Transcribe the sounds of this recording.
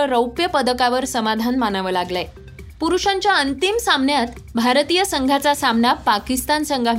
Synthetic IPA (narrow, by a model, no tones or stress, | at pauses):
əɾəwpjəpəd̪əkaʋəɾsəmad̪ʱanmanaʋəːlaɡlaj | puɾuʂaɲt͡ɕjaənt̪imsamnjat̪ | bʱaɾt̪iːjəsəŋɡʱat͡sasamnapakist̪ansəŋɡʱaʋ